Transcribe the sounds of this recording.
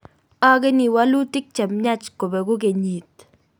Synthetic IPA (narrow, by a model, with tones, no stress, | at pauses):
a˦ke˦ni˨wa˦lu˦tɪ˦k̚t͡ʃɛ˨mɲa˦t͡ʃko˨bɛ˨ɡʊ˦k̬e˨ɲi˨t̪̚